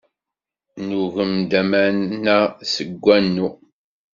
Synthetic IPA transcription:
nuɣəmd̪æmænnæsəɡʷːænːu

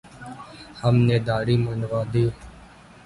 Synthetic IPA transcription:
həmneːd̪aːɽiːməɳʋãːd̪iː

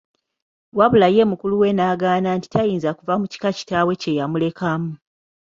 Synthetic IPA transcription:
waβulaje̞ːmukuluwe̞naːɡaːnaːnti̥tajiːnzakuvamuci̥kaci̥tawe̞ce̞jamule̞kamu

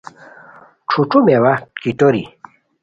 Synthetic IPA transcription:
ʈ͡ʂʰuʈ͡ʂʰumewakit̪oɾḭ

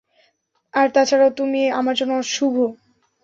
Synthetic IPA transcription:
aɾt̪at͡ɕʰaɾaot̪umieamaɾd͡ʑonoʃubʱo

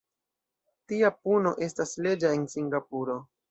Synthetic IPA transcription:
tiapuno̞ʔe̞stasle̞d͡ʒae̞nsiŋɡapuɾo̞

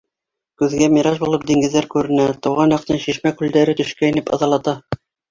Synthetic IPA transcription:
kʉðɡæmiɾɑʒbulˠɤp̚d̪iŋɡɘ̆ðːæɾkʉɾɘ̆næt̪ɤ̆wʁɑnjɑqt̪ɤnʃiʃmækʉld̪æɾɘt̪ɵ̆ʃkæinɘpɑ̰ðɑlˠɑt̪ɑ

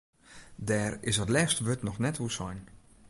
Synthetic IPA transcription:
dɛːrɪsɔtlɛːstəʋøtnɔxnɛtʋusɔjn

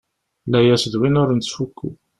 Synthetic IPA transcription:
læjæsðwinʊɾnt͡s̪fukːṵ

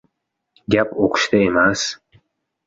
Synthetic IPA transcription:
ɡʲapʰokʰʃt̪aemas

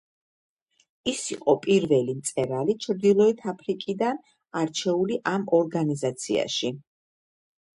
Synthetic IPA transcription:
isiqʼɔpʼiɾvɛlimt̪sʼɛɾalit͡ʃʰɾd̪ilˠɔit̪ʰapʰɾikʼid̪an | aɾt͡ʃʰɛuliʔamɔɾɡanizat̪sʰḭa̰ʃi

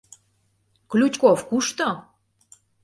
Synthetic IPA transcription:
klʲut͡ɕʲkofkuʃt̪o

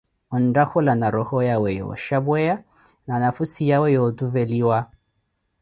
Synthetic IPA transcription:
ɔn̩dahɔlanaɾɔhɔjawɛjɔ̰ʃabwɛja | nanafusijawɛjɔtuvɛliwa

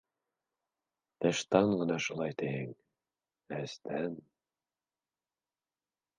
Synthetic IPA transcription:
t̪æʃt̪ɑɴɢɤ̆nɑʃulˠɑjt̪æhɘŋ | æst̪ʰæn

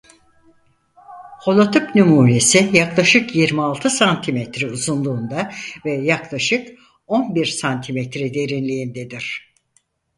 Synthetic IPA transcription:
ho̞lˠat̪ʰɯpnymuːɾesijaklˠaʃɯkjiɾmialˠt̪ʰɯsant̪ʰimɛt̪ɾiuzunlˠuːnd̪avɛjaklˠaʃɯk | o̞nbiɾsant̪ʰimɛt̪ɾɛd̪e̞ɾinlʲijind̪ed̪iɾ̝̥

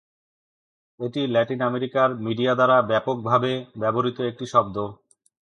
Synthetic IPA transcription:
eʈilɛʈinameɾikaɾmiɖiad̪aɾabɛpok̚bʱabebɛboɾit̪oek̚ʈiʃɔb̚d̪o

